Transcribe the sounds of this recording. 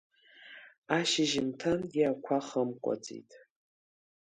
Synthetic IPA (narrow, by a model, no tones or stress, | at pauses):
aːʃɪʒɪmtʰanjiakʷʰaχɐmkʷʼɔ̰t͡sʼḭjtʰʼ